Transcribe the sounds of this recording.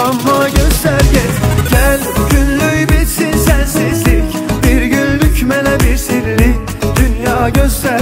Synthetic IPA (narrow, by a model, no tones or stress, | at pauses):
ɑmːɑɟøst̪æɾɟʲɛt̪ɟ̥ʲælɟynlyjbisinsænsezlik | biɾɡynlycmælæbiɾsiɾli | d̪̥ynjɑːɟøst̪æ